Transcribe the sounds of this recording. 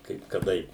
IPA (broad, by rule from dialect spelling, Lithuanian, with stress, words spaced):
ˈkɐɪp kɐˈdɐɪ